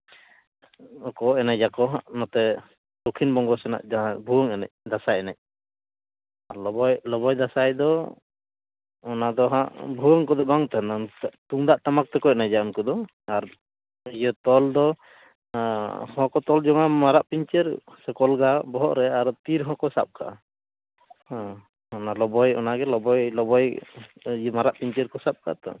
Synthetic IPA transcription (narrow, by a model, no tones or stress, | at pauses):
ɔkɔɛnajd͡ʒakɔɦaʔnɔt̪ɛ | t̪ɔkʰinbɔŋɡɔsɛna̰ʔd͡ʒɔɦãbʱuwɔŋɛna̰c̚d̪asajɛnac̚ | aɾlɔbɔjlɔbɔjd̪asajd̪ɔ | ɔnad̪ɔɦãʔbʱuwəŋkɔd̪ɔbaŋt̪ɛnanʔt̪uŋd̪aʔt̪amak̚t̪ɛkɔc̚najd͡ʒaunkɔd̪ɔ | aɾ | ijɔt̪ɔld̪ɔ | hɔ̃kɔt̪ɔld͡ʒɔŋamaɾaʔpiɲt͡ʃɛɾsɛkɔlɡabɔɦɔʔɾɛaɾɔt̪iɾɦɔ̃kɔsa̰p̚kʰa̰ʔ | hɔ̃ | ɔnalɔbɔjɔ̰naɡɛlɔbɔjlɔbɔj | maɾaʔpiɲt͡ʃɛɾkɔsap̚ka̰t̪ɔ̰